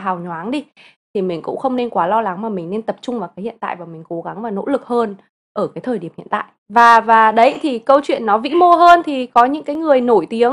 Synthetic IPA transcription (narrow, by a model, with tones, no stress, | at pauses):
ɦaː˨˩wɲwaː˨˦ŋɗi˧ | t̪ʰi˨˩mï˨˩ŋ̟kʊ̰˧˥ŋ͡mxə˧wŋ͡mne˧nkwaː˨˦lɔ˧la˨˦ŋmaː˨˩mï˨˩ŋne˧nt̪ə˨˩p̚t͡ɕʊ˧ŋ͡mvaː˨˩kaː˨˦hḭ˧˨ənt̪a̰ː˧˨jvaː˨˩mï˨˩ŋ̟ko˨˦ɣa˨˦ŋvaː˨˩no̰˧˥lɨ˨˩k̚həː˧n | ʔəː˧˩kaː˨˦jt̪ʰəː˨˩jɗi˧˩əmhḭ˧˨nt̪a̰ː˧˨jvaː˨˩vaː˨˩ɗə˨˦jt̪ʰi˨˩kə˧wt͡ɕwḭ˧˨ənːɔ˨˦vḭ˧˥mo˧ɦəː˧nt̪ʰi˨˩kɔ˨˦ɲɨ̰˧˥ŋkaː˨˦jŋɨ˨˩əjno˧˩jt̪i˨˦əŋ